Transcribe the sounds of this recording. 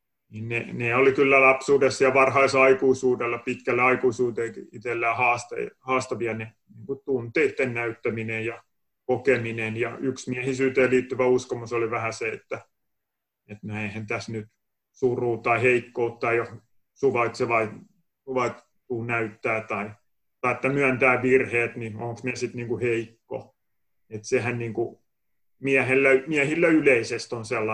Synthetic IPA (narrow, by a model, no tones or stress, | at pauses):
niːnneneolikylːælɑpsuːdessiɑlʋɑrhɑisɑikuisuːdelːɑpit̪kælːæɑikuisuːt̪eiit̪elːæːhɑːst̪ɑhɑːst̪ɑʋiɑne | niːŋkut̪t̪unt̪iːt̪ːennæyt̪ːæminejjɑ | kokeminenjɑyksmiæhisyːt̪eːliːt̪ːyʋæuskomusoliʋæhæseet̪ːæ | et̪næihent̪æsnyt̪ | suruːt̪ːɑiheikːout̪ːɑijo | suʋɑit̪seʋɑi | suʋɑit | t̪uːnæyt̪ːæːt̪ɑi | t̪ɑiet̪ːæmyænt̪æːʋirheːt̪nioŋksmiæsit̪niːŋkuheikːo̰ | et̪sehænniːŋku | miæhelːæmiæhilːæyleisest̪onselːɑ